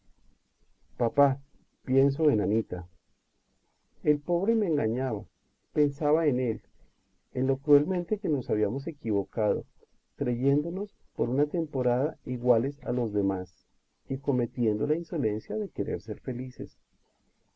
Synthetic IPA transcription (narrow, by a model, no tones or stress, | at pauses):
papa | pje̞ns̬o̞enanit̪a | e̞lpo̞βɾe̞me̞ːŋɡaɲaβa | pe̞nsaβaene̞l | enlo̞kɾue̞lmẽ̞nt̪e̞keno̞saβ̞iamo̞s̬e̞kiβo̞kaðo̞̰ | t̪ɾeʝe̞nd̪o̞no̞spo̞ɾunat̪e̞mpo̞ɾaðaiɣwale̞sa̰lo̞zðe̞mas | iko̞me̞t̪je̞nd̪o̞lainso̞le̞nsjaðe̞ke̞ɾe̞̰ɾse̞ɾfe̞lise̞̰s